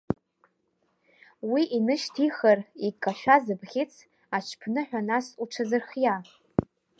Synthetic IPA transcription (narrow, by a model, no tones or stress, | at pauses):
wiʔinɨʃtʰiχərikʼːaʃᶣazɨbʁʲɪt͡sʰ | at͡ʃʰpʰnɨħʷᶣanasuʈ͡ʂʰazɨrχja